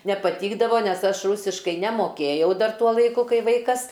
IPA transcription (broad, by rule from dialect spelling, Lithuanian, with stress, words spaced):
nʲɛpɐˈtʲiːɡdɐʋoː ˈnʲɛs ˈɐʃ ˈruːsʲɪʃkɐɪ nʲɛmoːˈkʲeːjɛʊ ˈdɐr ˈtuɔ lˠɐɪˈkʊ ˈkɐɪ ˈʋɐɪkɐs